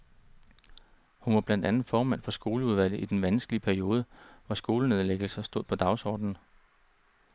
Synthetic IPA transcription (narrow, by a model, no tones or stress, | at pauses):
hunʋɑ̈b̥læn̰d̥ænð̩ˠfɒːmæn̰fɒ̽sɡ̥o̝ːləuð̞ˠʋæl̰ð̩ˠid̥enʋænsɡ̥əliəpʰæɐio̝ːð̞ˠəʋɑsɡ̥o̝ːləneð̞ˠleɡ̥l̩sɐsd̥oð̰ˠpʰɒ̽d̥ɑ̈ʊsɒ̰ːd̥n̩